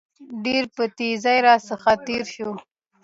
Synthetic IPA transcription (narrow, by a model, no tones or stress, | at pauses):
ɖeɾpət̪ezajɾɑsəxat̪eɾʃo